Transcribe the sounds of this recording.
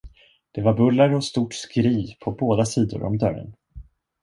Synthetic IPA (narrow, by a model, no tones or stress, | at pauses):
d̪̥ɛvaɾbɵlːaɾɔst̪uːʈskɾiːpʰɔboːd̪asiːd̪ʊ̰ɾɔ̰md̪œɾə̰n